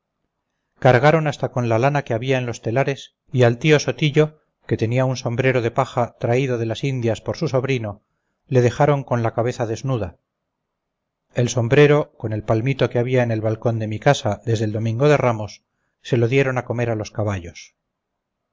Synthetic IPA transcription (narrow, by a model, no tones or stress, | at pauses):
kaɾɣaɾo̞nast̪ako̞nlalanake̞aβiaenlo̞st̪e̞laɾe̞s | ialt̪io̞so̞t̪iʎo̞ | ke̞t̪e̞niaunso̞mbɾe̞ɾo̞ð̞e̞paxat̪ɾaiðo̞ð̞e̞lasind̪jaspo̞ɾsuso̞βɾino̞ | le̞ð̞e̞xaɾo̞ŋko̞nlakaβe̞θaðe̞znuða | e̞lso̞mbɾe̞ɾo̞ko̞ne̞lpalmit̪o̞keaβiaene̞lβalko̞nd̪e̞mikasaðe̞zðeld̪o̞mĩŋɡo̞ðe̞ramosː | e̞lo̞ðje̞ɾo̞nako̞me̞ɾalo̞skaβaʎos